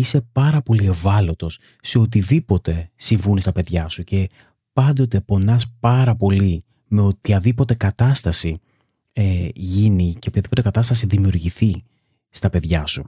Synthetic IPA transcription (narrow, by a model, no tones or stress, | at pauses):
ise̞pɐɾɐpo̞lie̞vɐlo̞t̪o̞sː | e̞o̞t̪iðipo̞t̪e̞siɱvunist̪ɐpe̞ðʝɐsuce̞ | pɐnd̪o̞t̪e̞po̞nɐspɐɾɐpo̞li | me̞ot̪çɐðipo̞t̪e̞kɐt̪ɐst̪ɐsi | eʝiniceop̪çɐðipo̞t̪e̞kɐt̪ɐst̪ɐsiðimiuɾʝiθi | st̪ɐpe̞ðʝɐsu